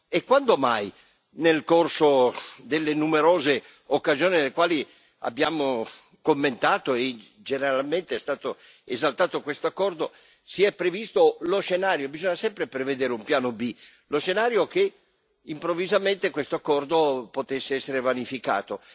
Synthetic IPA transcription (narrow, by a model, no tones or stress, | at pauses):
ekːwand̪omaj | nelkorsod̪elːenumeɾoːze | okːazioːninelːekwaːli | a̰bːjaːmo | komːent̪aːt̪oe | d͡ʒeneɾalment̪eɛst̪aːt̪o | ezalt̪aːt̪okwest̪oakːɔrd̪o | siɛpːɾevist̪olosʃːenaːɾjobizɔɲasɛmpɾepɾeved̪eːɾeumpjaːnobi | loʃːenaːɾjoke | impɾovːizament̪ekwest̪oakːɔrd̪opot̪esːeɛsːeɾevanifika̰ːt̪o